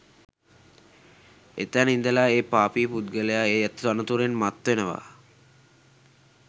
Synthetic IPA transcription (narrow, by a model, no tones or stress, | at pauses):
ḛt̪ænind̪əlaːeːpaːpiːpud̪ɡəlejaeːjat̪anət̪uɾenmat̪ʋenəʋa̰ː